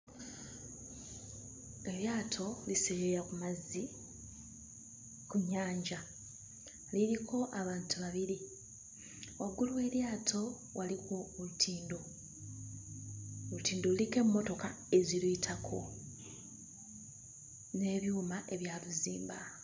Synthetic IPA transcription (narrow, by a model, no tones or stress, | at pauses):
e̞ljaːtʰo̞liseɾeɾakumazːi | kuɲːaːɲɟa | liɾikʰo̞ʔaβaːntuβaβiɾi | oɡːuluwe̞ljaːtʰo̞ | walikuulutʰiːndo | utiːndolike̞mːo̞to̞ka | e̞zilwiːtʰakʰo̞ | ne̞ːβjuːmaʔe̞βjaːluziːmba